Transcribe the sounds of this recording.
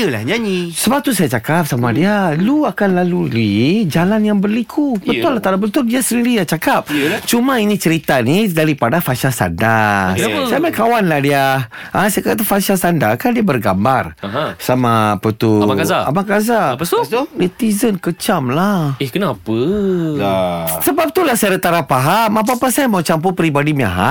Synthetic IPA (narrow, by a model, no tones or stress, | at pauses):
əla̰hɲaɲisəbap̚t̪usajat͡ʃakap̚samadialuakanlalulid͡ʒalanjaŋbərlikʰubənʊlaht̪aɾabənt̪ʊldiasəniɾijat͡ʃakap̚t͡ʃumãinĩt͡ʃəɾit̪anidaɾipadafasasa̰nda | samakawanlahdia | asaakat̪afasasandakandiabərɡambarsamaːpət̪umakazaa̰makaza | dit̪izənkət͡ʃamlahekənapəlasəbap̚t̪ulahsaaɾat̪aɾapaɦamap̬apasajamawt͡ʃampupɾibadimia̰ɦa̰ʔ